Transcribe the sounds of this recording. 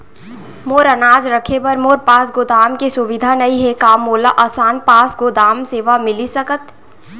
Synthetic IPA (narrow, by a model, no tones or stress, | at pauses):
moːɾənaːd͡ʒɾɐkʰepɐɾmoːɾpaːsɡoːd̪aːmkesʊʋɪd̪ʱanɐĩɦɛkaːmoːlaʔaːsaːnpaːsɡoːd̪aːmseːʋamɪlisɐkət̪